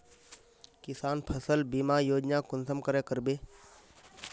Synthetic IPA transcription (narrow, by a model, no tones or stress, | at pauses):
kɪsaːnpʰəsəlbimaːjoːd͡ʒnaːkʊnsəmkəɾeːkəɾbeː